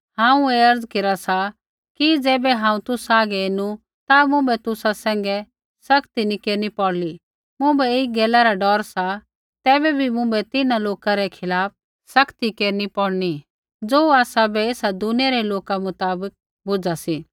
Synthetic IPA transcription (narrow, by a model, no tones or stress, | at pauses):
ɦãːũeːɐɾd͡zkeɾasa | kid͡zɛːbɛɦãːũt̪ʊsaːɡɛenu | t̪amʊ̃bɛt̪ʊsasɛ̃ːŋɡɛ | sɐkt̪inikeːɾnipɔɽli | mʊ̃bɛeɡɛːlaɾaɖɔːɾsa | t̪ɛːbɛbʱimʊ̃bɛt̪ɪnaloːkaɾɛkʰɪlaːp̚ | sɐkt̪ikeːɾnipɔɽni | d͡zoːaːsabɛeːsad̪ʊnijaɾɛloːkamʊt̪aːbək̚ | bʊd͡zasiː